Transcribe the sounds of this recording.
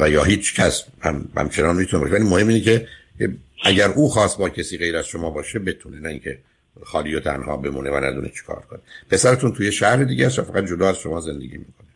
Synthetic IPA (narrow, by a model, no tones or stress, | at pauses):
væjɒːɦiːt͡ʃʰcʰæshæ̰mhæ̰mt͡ʃʰenɒːnmit̪une̞bɒ̰ɔːʃevæliːmohemːiːnecʰe | eʔæɟæɾʔuːxɒːst̪̚bɒːcʰesiːɣe̞jɾæz̥ʃomɒːbɒːʃebe̞t̪ʰunenæiŋcʰe | xɒːliːjot̪ʰæ̰nhɒ̰ːbe̞mṵːnevænæd̪unet͡ʃʰe̥kʰɒ̰ːɾkʰo̞nepʰe̞sæɾet̪ʰunt̪ʰujeʃæhɾed̪iːɟæsʃæfæɣæt̪̚d͡ʒo̞d̪ɒːæz̥ʃomɒːze̞nd̪eɡḭːmiːkʰo̞ne